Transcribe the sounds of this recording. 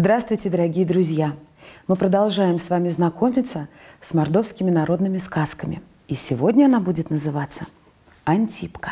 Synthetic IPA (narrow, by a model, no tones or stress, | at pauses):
zd̪ɾast̪vʊjtʲɪd̪əɾɐɡʲijəd̪ɾʊzʲjamɨpɾəd̪ɐlˠʐajɪmsvamʲɪznɐko̞mʲɪt̪səsmɐrd̪o̞fskʲɪmʲɪnɐɾo̞d̪nɨmʲɪskaskəmʲɪ̰ | isʲɪvo̞dʲnʲəɐnabudʲɪt̪nəzɨvat̪sːə | ɐnʲtʲipkə̥